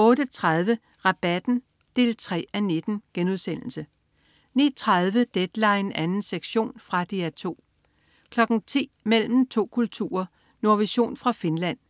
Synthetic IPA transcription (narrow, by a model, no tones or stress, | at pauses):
ɔ̽ːɾət͡sʰʁað̞ˠʋə | ʁɑ̈b̥æd̥n̩ | d̥e̝̰ːlt͡sʰʁɛ̰ːæne̝d̥n̩ɡ̥enuðˠsen̰l̩sə | niːt͡sʰʁaðˠʋəd̥ed̥lɑ̈ɪnænn̩seɡ̥ɕo̝̰ːnfʁɑ̈d̥e̝æɐt͡sʰo̝̰ː | kʰlɒ̽ɡ̥ŋ̩t͡sʰḭːmel̰m̩t͡sʰo̝̰ːkʰult͡sʰṵːɐ | no̝ɐʋiɕo̝̰ːnfʁɑ̈fe̝nlæn̰